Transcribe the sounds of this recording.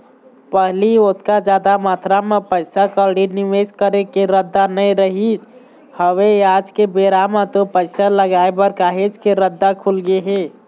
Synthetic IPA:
pəɦliot̪kad͡ʒad̪amat̪ɾamepəɪsakəlɽiniʋed͡ʒkəɾekeɾəd̪ːanəjɾəɦis | həʋead͡ʒkebeɾamat̪opəɪsaləɡaebəɾkaɦed͡ʒkeɾəd̪ːakʰulɡeɦe

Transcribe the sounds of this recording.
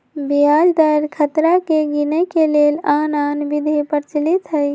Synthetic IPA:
bijad͡ʒd̪əɾkʰət̪ɾakeɡinəkelelananbid̪ʱepəɾt͡ʃlit̪ɦəj

